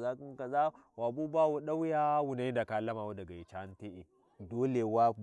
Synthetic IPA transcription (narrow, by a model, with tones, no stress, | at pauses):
za˦kŋka˨za˦ | wa˨bu˦ba˦wo˦ɗa˦wjaː˦wu˨na˦da˨ka˨lɐ˦maː˨wa˦dɐ˨ɡa˨ji˨t͡ʃa˨˦n˦te˦ʔe˨ | doː˦le˨wa˦